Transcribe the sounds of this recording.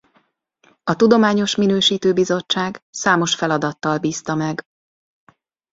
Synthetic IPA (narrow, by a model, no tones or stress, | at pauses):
ɒt̪ud̪o̞maːɲo̞ʃminøːʃiːt̪øːbizo̞t͡ʃːaːɡsaːmo̞ʃfɛlɒd̪ɒt̪ːɒlbiːst̪ɒmɛɡ